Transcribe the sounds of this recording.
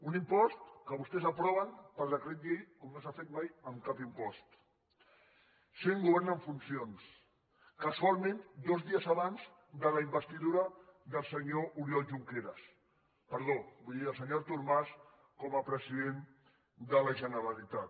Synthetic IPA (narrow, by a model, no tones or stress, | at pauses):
unimpɔst̪kəβ̞ust̪ɛzəpɾɔβənpəlˠd̪əkɾet̪̚ʎejkomnosafet̪majəmkapimpɔst̪ | seŋɡuβɛɾnəɱfunsions | kəswaɾmind̪ozðiəzaβanz | d̪əlaimbəst̪iðuɾɐd̪əlˠsəɲoʔuɾjɔlʒuŋkeɾəs | pəɾðobujðiəlˠsəɲoɾt̪uɾmas | kɔməpɾəsiðen | d̪ələʒənəɾalit̪at̪